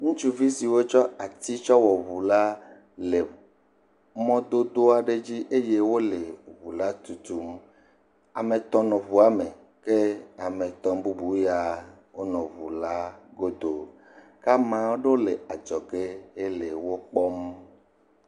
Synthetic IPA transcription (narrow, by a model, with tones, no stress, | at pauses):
ŋũ˦t͡ʃu˦vi˦si˨wo˦t͡ʃɔ˦a˨t̪i˦t͡ʃɔ˦wɔ˨βu˨la˦ | le˨ | mɔ̃˦d̪o˦d̪o˦a˨ɖe˦d͡ʑi˦ʔe˦je˦wo˦le˨βu˨la˦t̪u˨t̪u˨m | a˨me˨t̪ɔ̃˨nɔ̃˨βu˨a˦me˨ | ke˦a˨mẽ˨t̪ɔ̃˨mbu˦bu˨˦ja˨ | wo˦nɔ̃˨βu˨la˦ɡo˦d̪o˨ | ka˦mã˨wo˦ɖo˦le˨a˨d͡ʒɔ˨ɡe˦e˦le˨wo˦k͡pɔ˦m